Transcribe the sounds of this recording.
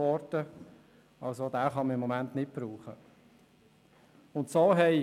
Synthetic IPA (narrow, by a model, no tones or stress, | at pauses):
ɔɾtə | ɑlsodæːχɑməɪmːɔmæntnɪt̚b̥ɾuːχə | ʊntsoːɦɛɪ